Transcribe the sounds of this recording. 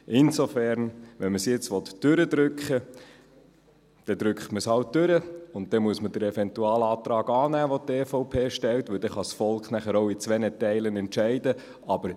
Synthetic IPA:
ʔɪnsofæɾnʋɛnməsjɪt͡sʋɔt̪d̥ʏɾəd̥̪ɾʏkχə | d̥ɛd̪ɾʏkχtməshɑlt̚dʏɾəʊnt̚d̥ɛmuəsmədəɾɛfɛnt̪uɑːlɑːtɾɑːɡɑːnæːʋɔteːfoʊpʰeːʃtɛltʋɵld̥ɛχɑsfɔlkχnæχəɾoʊit͡sʋɛnətɛɪlənɛntt͡ʃæɪdə | ʔɑb̥əɾ

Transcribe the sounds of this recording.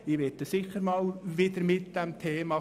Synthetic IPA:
ɪʋɛtəsɪxəɾmɑːlʋɪd̪əɾmɪt̪d̥̪ɛmt̪ʰeːmɑ

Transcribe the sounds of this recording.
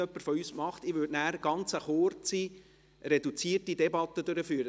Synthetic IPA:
œpːəɾfɔyːsmɑχt̪ɪʋødnæːɾɡ̥ɑnt͡səχort͡si | rɛdut͡siətidɛbɑt̪ːədøɾəfyːɾə

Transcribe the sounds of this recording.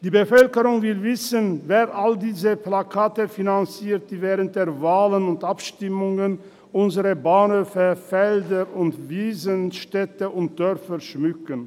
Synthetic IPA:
d̥iːbəfœlkəʁʊŋvɪlvɪsənveːʁʔaldiːzəplakʰaːtəfinant͡siːt̚d̥iːvɛːʁənt̚d̥eːʁvaːlənʊntʔapʃtɪmʊŋən | ʔʊnzəʁəbaːnhøːfəfɛldəʊntviːzənʃtɛtəʔʊnt̚d̥œʁfəʃmʏkən

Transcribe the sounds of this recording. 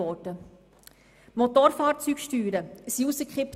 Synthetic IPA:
ɔːdə | mot̪oːɾfɑːɾt͡syːkʃtyːɾəsiusəkχɪp

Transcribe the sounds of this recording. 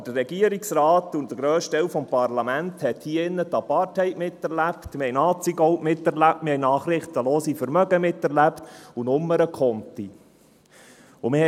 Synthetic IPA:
d̥ərːɛɡ̥iəɾiksɾɑːt̪ʊnt̪əɡ̥ɾøːʃtɛwfɔmpɑɾlɑmænt̪hɛthiəɪnːət̪ɑpɑɾthɛɪtmɪtːɛɾlæptmɪɾhɛɪnɑːt͡siɡɔwtmɪt̪ɛɾlæp̚tmɪɾhɛɪnɑːχɾɪχt̪əloːsifəɾmœɡəmɪt̪ːɛɾlæptunʊmːəɾəkʰɔnt̪i | ʊmɪhɛ

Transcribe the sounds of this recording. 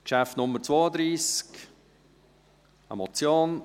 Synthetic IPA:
kʃaftnʊmːəɾt͡svoːəd̪ɾiːsk | a̰mɔt͡sjoːn

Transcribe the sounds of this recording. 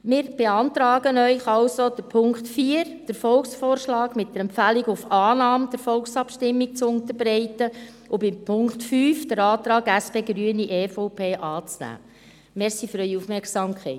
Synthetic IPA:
mɪːɾb̥eɑnt̪ɾɑːɡənœʏχɑlsod̥əɾpʰʊŋkχtfiəɾd̥əɾfɔlksfoːɾʃlɑːɡ̥mɪt̚d̥əɾɛmpfæliɡʊfɑːnɑːmd̥əɾfɔlksɑpʃtɪmːik̚t͡sʊnt̪əɾbɾɛɪtə | ʊbɪmpʰʊŋktfyːfd̥əɾɑːtɾɑːɡæspeːɡɾyəniʔeːfɔʊpʰeːʔɑːt͡snæ̰ː | mɛɾsifyɾœʏiufmɛɾksɑːmkʰχɛɪt

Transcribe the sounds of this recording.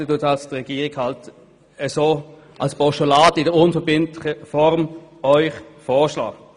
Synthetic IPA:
ətuətɑlstʁɛɡ̥iːʁɪɡhɑlt | əsoː | ʔa̰lspɔʃolaːdəɪdəʊnfəbɪntlɪχəfɔʁm | œʏχfɔːʁʃla̰ːk

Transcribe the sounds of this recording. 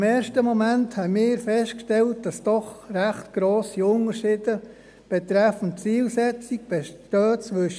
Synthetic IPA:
mɛːɾʃtəmomænthɛɪmɪːɾfɛstkʃtɛlt̚d̥ɑsd̥ɔχræχtɡ̥ɾoːsiʊnəɾʃɪːdə | b̥etɾɛfənt͡siːlsɛt͡sik̚b̥etøːt͡sʋʏʃ

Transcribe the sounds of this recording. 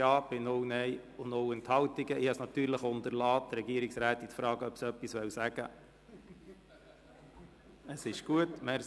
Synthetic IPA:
jɑːb̥ɪnownɛɪ | ʊndoʊɛnt̪hɑwtiɡəɪhɑsnɑt̪yːɾləχʊntəɾlɑːtɾɛɡiəɾiksɾæːtitfɾɑːɡəœpsœpːisʋɛwsæɡ̥ə | əsɪʃɡ̥uətmɛɾ

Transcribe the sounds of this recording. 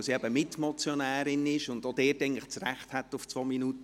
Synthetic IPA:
siːɛbəmɪtmɔt͡sjɔnæːɾɪnɪʃʊndod̥ɛːɾtɛɪŋlɪχt͡srɛχthɛtːʊft͡sʋoːminuːtə

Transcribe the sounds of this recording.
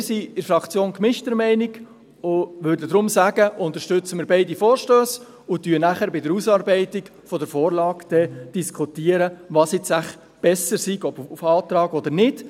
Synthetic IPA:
siɪɾfɾɑkt͡sjoːnkmɪʃtəɾmɛɪniɡ | ʊʋʏɾdədɾʊmsæɡəʔʊnt̪əʃtʏt͡səmɪːɾbɛɪdifɔːɾʃtøːs | ʊtyənæχəɾbɪdəɾusɑːɾbɛɪtiɡ | fɔdəɾfɔːɾlɑːɡd̪̥ɛd̥iskʰχut̪iːəɾəʋɑːsɪt͡sæχ | b̥ɛsəɾsiɡɔbfɑːt̪ɾɑːɡɔd̪əɾnɪd̥

